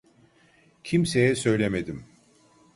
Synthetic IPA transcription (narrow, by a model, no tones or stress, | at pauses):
cʰimsejɛsø̞jlʲemed̪im